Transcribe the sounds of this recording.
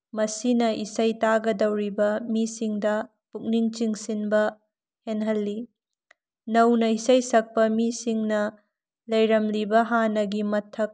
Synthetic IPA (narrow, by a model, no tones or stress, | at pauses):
mɐsinɐʔisɐjtaɡɐdɐwɾibɐmisiŋdɐ | puk̚niŋt͡ʃiŋsinbɐ | henɦɐlːi | nɐwnɐisɐjsɐk̚pɐmisiŋnɐ | lɐjɾɐmlibɐɦanɐɡimɐtʰːɐk̚